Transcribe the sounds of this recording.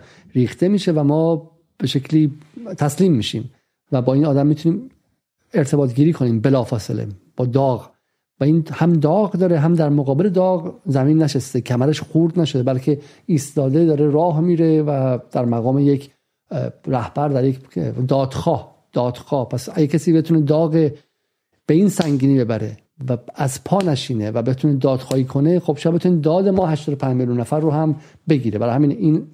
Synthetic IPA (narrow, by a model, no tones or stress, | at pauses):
ɾiːxt̪e̞miːʃevæmɒː | b̥e̞ʃe̞cʰliːt̪ʰæsliːmːiːʃḭːm | væbɒːiːnɒːd̪æmːiːt̪ʰuniːm | e̞ɾt̪ʰe̞bɒːt̪ɡiːɾiːkʰo̞niːmbe̞lɒːfɒːsḛlḛb̥ɒːd̪ɒːɣ | væinhæmd̪ɒːɣd̪ɒːɾeɦæmd̪æɾmoɣɒːbele̞d̪ɒːɣzæmiːnːæʃest̪ecʰæmæɾeʃxuɾd̪næʃo̞d̪ebælcʰe̞ | iːst̪ɒːd̪ed̪ɒːɾe̞ɾɒːɦmiːɾevæd̪̥æɾmæɣɒːmejecʰ | ɾæhb̥æɾd̪æɾjekd̪ɒːd̪̥xɒːh | d̪̥ɒːd̪̥xɒːhpʰæsæɡecʰæsiːbe̞t̪ʰuːne̞d̪ɒːɣe | b̥eiːnsæŋɟiːniːbe̞bæɾe̞̰ | vææzpʰɒːnæʃiːnevæbet̪ʰuned̪ɒːd̪̥xɒːhiːkʰo̞nexob̥ʃɔjad̪̚bet̪ʰunid̪ɒːd̪emɒːhæʃt̪ɒːd̪opʰænd͡ʒmeljunːæfæɾːohæm | be̞ɡiːɾe̞bæɾhæmiːniːn